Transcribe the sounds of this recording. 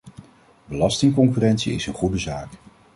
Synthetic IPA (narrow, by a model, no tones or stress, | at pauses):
bəlɑstɪŋkɔŋkyrɛntsiɪ̰sənχudəzaːk